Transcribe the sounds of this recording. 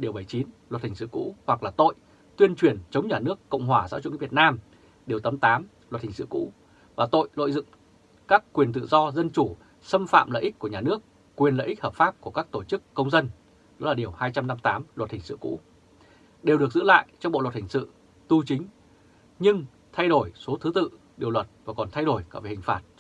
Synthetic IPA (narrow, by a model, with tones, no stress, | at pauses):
ɗi˨˩əwɓə˧˩jt͡ɕi˨˦nlwə˨˩t̚hï˨˩ŋ̟sɨ̰˧˨kṵ˧˥hwa˨˩k̚laː˨˩t̪o̰˧˨j | t̪wi˧ənt͡ɕwi˨˩ənt͡ɕə˨˦wŋ͡mɲaː˨˩nɨ˦˥əkːə̰˧˨wŋ͡mɦwaː˨˩za̰˧˥wt͡ɕṵ˧˥˨və˩t̚naː˧m | ɗe˨˩əwt̪ə˨˦mt̪aː˨˦m | lwə˨˩t̚hi˨˩sɨ̰˧˨kṵ˧˥ | vaː˨˩t̪o̰˧˨jlo̰˧˨jzɨ̰˧˨ŋ͡m | kaː˦˥kːwi˨˩ənt̪ɨ̰˧˨zɔ˧zə˧nt͡ɕu˧˩ | sə˧mfa̰ː˧˨mlə̰ː˧˨ʔi̟˦˥ku˧˩əɲaː˨˩nɨ˦˥ək̚ː | wi˨˩ənlə̰˧˨ʔï̟˦˥həː˨˩p̚faː˦˥p̚ku˧˩əkaː˦˥k̚t̪o˧˩t͡ɕɨ˦˥kːə˧wŋ͡mzə˧n | ɗɔ˨˦laː˨˩ɗi˨˩əwhaː˧jt͡ɕa˧mna˧mt̪aː˨˦mlwə˨˩t̚hï˨˩ŋ̟sɨ̰˧˨kṵ˧˥ | ɗe˨˩wɗɨ˨˩ək̚zɨ̰˧˥la̰ː˧˨jt͡ɕɔ˧ŋ͡mɓo̰˧˨lwə˨˩t̚hï˨˩ŋ̟sɨ̰˧˨ | t̪u˧t͡ɕï˨˦ŋ̟ | ɲɨ˧ŋ | t̪ʰa˧jɗo˧˩jso˨˦t̪ʰɨ˨˦t̪ɨ̰˧˨ | ɗi˨˩əwlwə˨˩t̚vaː˨˩kɔ˨˩nt̪ʰa˧jɗo˧˩jkaː˧˩vhï˨˩ŋ̟faː˨˩t̚